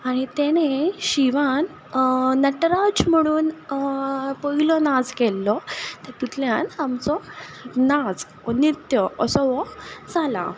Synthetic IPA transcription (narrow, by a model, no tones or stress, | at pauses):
aɽ̃it̪eneɕiʋanː | əʈɾad͡ʑm̤əɽ̃uːn | pəɦilɔnad͡zkɛlːɔt̪et̪ut̪ʰljãnamt͡sɔnad͡z | nit̪jəəsɔʋɔd͡zala̰